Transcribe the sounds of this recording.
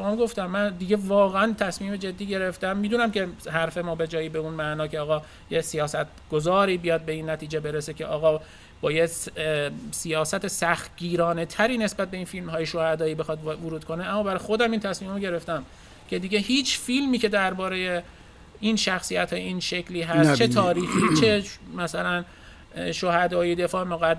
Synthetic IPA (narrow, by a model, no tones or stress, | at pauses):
oɑmɡo̞ft̪æmːænd̪iɟe̞vɒːɣeænt̪ʰæsmiːmed͡ʒe̞d̪ːiːɟe̞ɾe̞ft̪æmːid̪unæmkʰe̞ɦæɾfemɒːbe̞d͡ʒɒːjiːbeunmæʔnɒːkcʰeɒːɣɒː | jesijɒːsæt̪ɡ̥ozɒːɾiːbijɒːd̪̚be̞inːæt̪ʰiːd͡ʒebe̞ɾesecʰe̞ʔɒːɣɒː | b̥ɒːje | sijɒːsæt̪ʰesæxt̪̚ɟiːɾɒːne̞t̪ʰæɾiːne̞sbæt̪̚be̞infilmhɒːjeʃohæd̪ɒːiːbexɒd̪voɾuːd̪̚kʰo̞neæmːɒːbæɾɒjxod̪æmint̪ʰæsmiːmoɟe̞ɾe̞ft̪æm | cʰe̞d̪iɟe̞ɦiːt͡ʃʰfilmiːcʰe̞d̪æɾbɒːɾeje | inʃæxsijæt̪hɒːjeiːnʃecʰliːɦæst͡ʃet̪ʰɒːɾiːxiːt͡ʃʰemæsælæn | ʃohæd̪ɒːid̪e̞fɒːemoɣæ